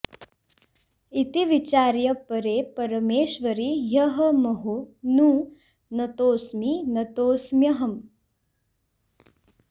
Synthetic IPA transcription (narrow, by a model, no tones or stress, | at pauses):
it̪iʋit͡ʃaːɾjɐpɐɾeːpɐɾɐmeːʃʋɐɾijɐɦɐmɐɦunuː | nɐt̪oːsminɐt̪oːsmjɐɦɐm